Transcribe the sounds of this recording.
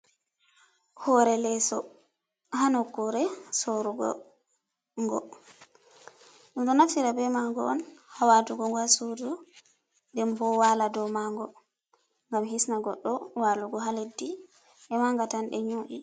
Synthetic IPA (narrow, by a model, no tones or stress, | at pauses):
hɔɾɛlɛsɔ | ɦanɔkːuɾɛsoɾuɡɔ̰ | ŋɡɔ̰ | ɗumɗɔnafiɾabɛmaŋɡɔ̰ɔ̰nhawaduɡɔŋɡwasodu | ndɛmbɔwaladɔmaŋɡɔ | ŋɡamɦisnaɡɔɗːɔwaluɡɔɦaledːi | ʔɛmaŋɡatanɗɛ̰ɲoːʔi